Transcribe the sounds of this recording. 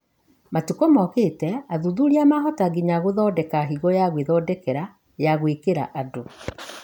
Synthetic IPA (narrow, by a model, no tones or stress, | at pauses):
matukɔmɔkeːtɛaðuðuɾiamaɦɔtaɡiɲaɣoðɔːdɛkaɦiɣɔjaɣweðɔdɛkɛɾa | jaɣwekeɾa̰ʔado